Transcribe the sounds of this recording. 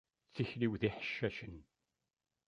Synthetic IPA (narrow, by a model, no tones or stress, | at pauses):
θiçliwðiħə̥ʃːæʃən